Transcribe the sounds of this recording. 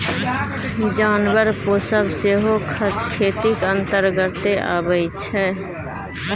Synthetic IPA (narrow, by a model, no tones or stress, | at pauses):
d͡ʒanbəɾposəbseɦokʰəkʰet̪ikənt̪əɾɡət̪ːeʔa̰bəɪt͡ʃʰɛ